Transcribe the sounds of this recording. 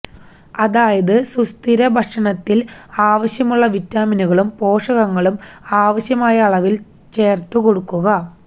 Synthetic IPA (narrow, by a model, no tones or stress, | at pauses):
ɐðaːjɐðɨsust̪iɾɐbʱɐʂɐɳɐt̪ːilaːʋɐɕjɐmuɭːɐʋitːaːminuɣɐɭumpo̞ːʂɐɣɐŋːɐɭumaːʋɐɕjɐmaːjɐːɭɐʋil | t͡ɕeːrt̪ːuko̞ɽukːuɣɐ